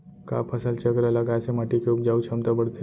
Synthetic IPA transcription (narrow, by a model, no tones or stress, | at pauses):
ka̰pʰəsəlt͡ɕəkɾalaɡajsemaʈikoupd͡ʑaut͡ʃʰəmt̪abəɽt̪e